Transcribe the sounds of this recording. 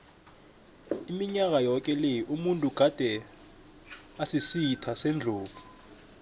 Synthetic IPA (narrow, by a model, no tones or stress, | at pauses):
imiɲak̬ajɔk̬ʼɛlejiʔumuntʼuɡ̥ʱad̥ʱɛ | asisitʰasɛnd͡ɮʱoːvu